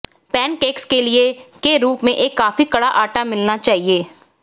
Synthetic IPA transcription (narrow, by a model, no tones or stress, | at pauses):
pɛːnkeːkskeliekeɾuːpmẽʔeːkːaːfikɐɽaʔaːʈamɪlnat͡ʃaːɦieː